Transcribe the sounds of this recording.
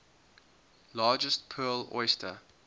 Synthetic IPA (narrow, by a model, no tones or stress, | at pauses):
lɑːd͡ʒəstpʰɜːlɔ̰ɪstʰə̰